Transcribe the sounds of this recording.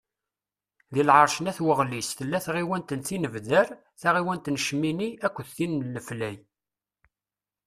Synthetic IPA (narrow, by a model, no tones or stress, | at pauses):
ðilʕəɾˤʃənæθwəʁlisθəlːæθʁiwænt̪ənθinəvðəɾ | θæʁiwænt̪nʃminiækʷːθːinləflæj